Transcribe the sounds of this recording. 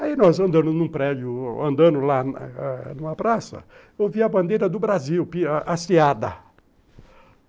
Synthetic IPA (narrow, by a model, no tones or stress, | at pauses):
ainɔzɐ̃nd̪ɐ̃mʊznũpɾɛd̪jʊɐ̰̃nd̪ɐ̃nʊlannũmɐpɾasɐ̰ | ewviɐbɐ̃nd̪ejɾɐd̪ʊbɾaziwpiʔasiad̪ɐ̰